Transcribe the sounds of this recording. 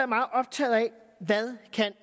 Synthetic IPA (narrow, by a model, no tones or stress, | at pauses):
æɐmɑ̈ːð̩ˠɒ̽b̥̚t͡sʰɛ̰ːð̩ˠæ | ʋæðˠkʰæn